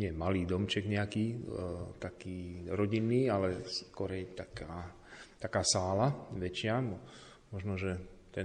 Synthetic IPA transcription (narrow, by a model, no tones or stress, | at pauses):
ɲɪɛmaliːd̪ɔmt͡ʃɛɡɲɛakiːt̪akiːɾɔɟinːiːalɛskɔɾɛjt̪akaː | t̪akaːsaːlaʋɛt͡ʃɪamɔ | mɔʒnɔʒɛt̪ɛ